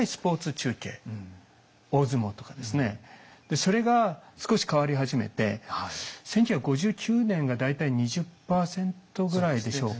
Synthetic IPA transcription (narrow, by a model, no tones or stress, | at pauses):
isɨ̥po̞ːt͡sɨt͡ɕɨːke̞̰ː | o̞ːzɨmo̞t̪o̞kad̪e̞sɨne̞d̪̥e̞so̞ɾe̞ɡasɨ̥ko̞ɕi̥kaβaɾʲiɦaʑime̞̰t̪e̞ | sẽ̞ŋkʲoçakːɯɡo̞ʑɨːkʲʰɨːnẽ̞ŋɡad̪ait̪aiɲ̟iʑɨpːaːsẽ̞nt̪o̞ɡɯ̟ɾaid̪e̞ɕo̞̰ː